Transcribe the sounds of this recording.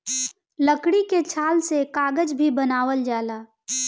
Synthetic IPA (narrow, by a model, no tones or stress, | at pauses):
ləkɽiket͡ʃʰaːlsekaːɡəd͡ʒbʱibənaːʋəld͡ʒaːlaː